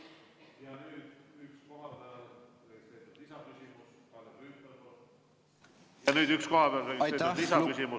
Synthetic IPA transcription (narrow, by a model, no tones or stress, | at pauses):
jɑnyːd̪̥yksko̞ɦɑpæɑl | ekseːt̪ːet̪isɑkysʲimus | kɑleypːelko | jɑnyːd̪yksko̞ɦɑpeɑleket̪eisɑkysimu